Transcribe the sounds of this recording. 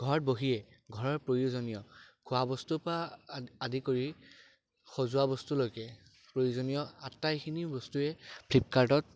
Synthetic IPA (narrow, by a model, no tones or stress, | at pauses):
ɡʱɔɹboɦijɛ | ɡʱɔɹɔɹpɹojuzonijɔkʰʊabɔstupaadikoɹi | xozʊabɔstulojkɛ | pɹojuzonijɔatːajxʰinibɔstuɛpʰlip̚kaɹdɔt̚